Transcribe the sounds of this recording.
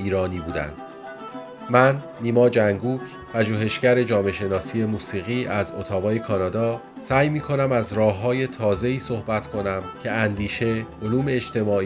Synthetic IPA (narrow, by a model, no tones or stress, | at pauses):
iːɾɒːniːbuːd̪æ̰nd̪̥ | mænːiːmɒːd͡ʒæŋɡuːcʰ | pʰæʒuːɦe̞ʃɟæɾe̞d͡ʒɒːme̞ʃe̞nɒːsije̞muːsiːɣiːʔæzot̪ʰɒːbɒːje̞kʰɒːnɒːd̪ɒː | sæːjmiːkʰo̞næmæzɾɒːɦːɒːje̞t̪ʰɒːze̞iːso̞hbæt̪ʰkʰo̞næmcʰe̞ænd̪iːʃe̞oluːme̞ːt͡ʃt̪e̞mɒːi